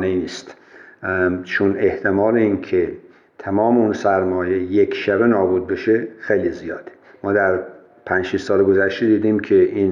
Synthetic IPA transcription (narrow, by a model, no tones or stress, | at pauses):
neiniːst̪ | t͡ʃʰoneht̪ʰemɒːleiːnkʰe | t̪ʰæmɒːmeunsæɾmɒːje̞jekʰʃæbenɒːbuːd̪̚be̞ʃexejlizijɒːd̪̥ | mɒːd̪æɾ | pʰænʃiʃsɒːleɡozæʃt̪ed̪iːd̪imkʰeʔiːn